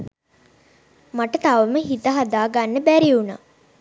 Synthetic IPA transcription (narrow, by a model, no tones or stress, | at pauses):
maʈət̪aʋəməɦit̪əɦad̪aːɡanːəbæɾiuna̰ː